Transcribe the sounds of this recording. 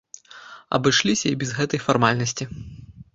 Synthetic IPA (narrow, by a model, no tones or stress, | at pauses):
ɐ̰bɨʂlʲisʲɐibʲɛzɣɛt̪ɐjfarmalʲnɐsʲt͡sʲi